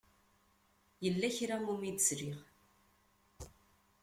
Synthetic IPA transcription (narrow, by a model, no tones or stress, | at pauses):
jəlːæçɾamumid̪əsɾiʁ